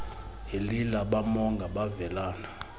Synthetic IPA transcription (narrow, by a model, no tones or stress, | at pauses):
elilaɓamɔŋɡʱaɓavɛlaːna